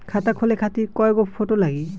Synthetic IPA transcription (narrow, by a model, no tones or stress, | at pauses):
kʰatakʰolɛkʰatikɔjɡɔpʰːotɔlaɡi